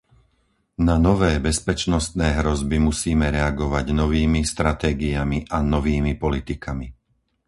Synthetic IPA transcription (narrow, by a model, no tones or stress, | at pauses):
nanɔʋɛːbɛspɛt͡ʃnɔst̪nɛːɦɾɔzbimusiːmɛɾɛaɡɔʋaɟnɔʋiːmist̪ɾat̪ɛːɡiamiʔanɔʋiːmipɔlit̪ikami